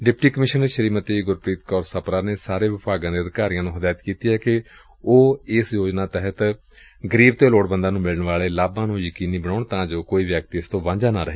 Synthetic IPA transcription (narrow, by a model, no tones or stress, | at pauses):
ɖɪpʈiːkəmɪʃənəɾʃəɾiːmət̪iɡʊɾpɾiːt̪kɔːɾsəpɾaːneːsaːɾeːʋɪpaːɡãːd̪eːəd̪kaːɾijãːnũːɦəd̪aːjt̪kiːt̪iːɦɛːkɪ | oːɪsjoːd͡ʒnãːt̪ɛɦət̪ | ɡəɾiːbt̪eːloːɽbənd̪ãːnũːmɪləɳʋaːleːlaːbãːnũːjəkiːniːbəɽoːɳt̪ãːd͡ʒoːkoːiːʋjək̚t̪ɪst̪õːʋãːɲd͡ʒaːnaːɾəɦeː